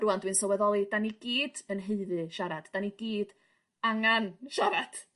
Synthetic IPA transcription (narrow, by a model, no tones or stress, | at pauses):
ɾuandwɨnsɔwɛðɔlˠid̥aniɡ̥iːd̥ənɦeɨðɨʃaɾad̥d̥aniɡiːd̥ | aŋanʃaɾad̥